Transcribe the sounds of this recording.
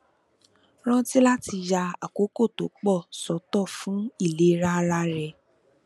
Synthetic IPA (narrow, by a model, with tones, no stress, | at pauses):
ɾ̃ã˦ti˦la˦ti˧ja˧a̰˨ko˨˦ko˦˨to˨˦k͡pɔ˦˨sɔ˨˦tɔ˦˨fũ˨˦i˦˨le˨˦ɾa˦ɾa˦ɾɛ˧